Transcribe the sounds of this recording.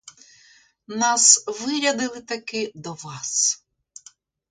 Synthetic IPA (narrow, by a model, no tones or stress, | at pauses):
nɑsʋɪɾʲɐd̪ɪlˠɪt̪ɐkɪd̪ɔʋɑs